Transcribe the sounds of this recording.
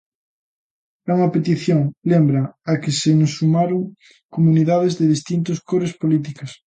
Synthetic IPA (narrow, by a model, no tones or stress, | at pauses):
ɛuŋɐpet̪iθjoŋlembɾɐakesenosːumaɾoŋ | komuniðað̞ezðeðist̪int̪oskoɾespolit̪ikas